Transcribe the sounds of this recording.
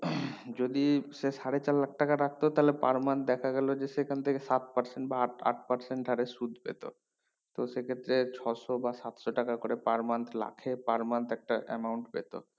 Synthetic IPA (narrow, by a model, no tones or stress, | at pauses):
d͡ʑod̪iʃeʃaɽet͡ɕalːak̚ʈakaɾak̚ʰt̪ot̪aɦlepa̰ɾmant̪d̪ɛkʰaɡɛlod͡ʑesekʰant̪ʰekesat̪̚paɾseɳʈbaʈa̰ʈ̚paɾseɳʈɖʱaɾesud̪ʱpḛt̪o̰ | t̪osekʰet̪ːɾet͡ɕʰɔʃobasat̪ʃoʈakakoɾepaɾmant̪ʰla̰kʰepaɾmant̪ɛk̚ʈaʔɛ̰mawɳʈpḛt̪o̰